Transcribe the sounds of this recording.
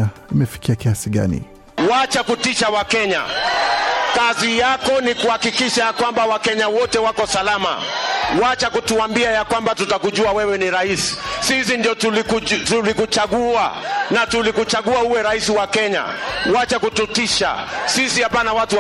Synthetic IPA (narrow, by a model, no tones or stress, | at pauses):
aimɛfi̥kiakiasiɠa̰nḭ | wat͡ʃakutiʃawakɛɲa̰ | kazijakɔnikuhakikiʃajakwambawakɛɲawɔtɛwakɔsalama̰wat͡ʃakutuambiajakwambatutakuʄuawɛwɛniɾaisi̥sisindiɔttulikut͡ʃaɠua̰natulikut͡ʃaɠuahuwɛɾaisiwakɛɲa̰wat͡ʃakututiʃa̰sisihapanawatuw